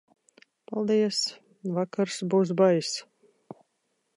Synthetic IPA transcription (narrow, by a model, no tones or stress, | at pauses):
palˠd̪iɛs | vakaɾsbuːs̬bajs